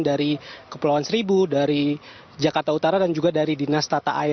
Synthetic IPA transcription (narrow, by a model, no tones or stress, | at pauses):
ndaɾikəpulawansəɾibudaɾi | d͡ʒakart̪aut̪aɾadand͡ʒuɡadaɾidinast̪at̪aʔai